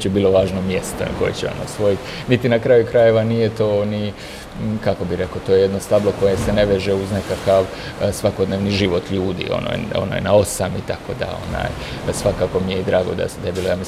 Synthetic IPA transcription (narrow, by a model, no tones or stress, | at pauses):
t͡ɕebiːlˠo̞ʋaːʒnomjest̪o̰ko̞jḛt͡ɕeo̰no̰sʋo̞jit̪ʲnit̪inakɾaːjukɾaje̞ʋanije̞t̪o̞ːni | kako̞biɾe̞kot̪oje̞je̞d̪no̞st̪ablˠo̞ko̞jese̞ne̞ʋeʒeuznekakaʋ | sʋako̞d̪neːʋniʒiʋo̞t̪ʎuːd̪ḭo̰no̰jo̰na̰ːjnao̞samit̪ako̞d̪a̰o̞̰na̰ːj | sʋakaːko̞mijeid̪ɾaːɡo̞d̪a̰sed̪ebilojami